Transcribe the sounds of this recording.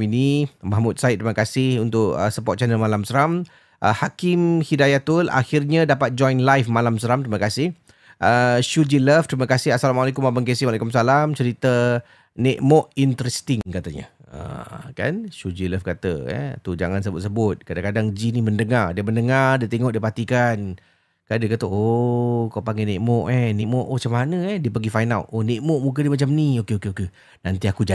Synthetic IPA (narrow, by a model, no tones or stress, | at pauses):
inimaɦmʊt̪̚sait̪̚t̪ɾiməkasɪhunt̪ʊʔə̰səpɔt̪̚t͡ʃanəlmalamsəɾam | ʔə̰hakɪmhidajat̪ʊla̰xirɲadapat̪̚d͡ʒɔjnlajfmalamsəɾamt̪ɾiməkasɪh | ʔəʃud͡ʒiləft̪ɾiməkasɪɦasalamalakʊmabaŋkesimwalajkumsalamt͡ʃəɾit̪ə | nɛʔmɔʔint̪əɾɛst̪ɪŋkat̪aɲa̰ | ə̰ka̰nʃud͡ʒiləfkat̪ə̰ɛ̰t̪ud͡ʒaŋansəbʊt̪səbʊt̪̚kadaŋkadaŋd͡ʒiniməndəŋardiəməndəŋardiət̪eŋɔʔdiəpat̪ikan | kandiəkat̪əokawpaŋɡɛneʔmɔʔɛhnɛʔmɔʔot͡ʃamanəɛdiəpəɡifajnawoneʔmɔʔmũkədiəmat͡ʃamniokeokeoke | nant̪iakud͡ʒa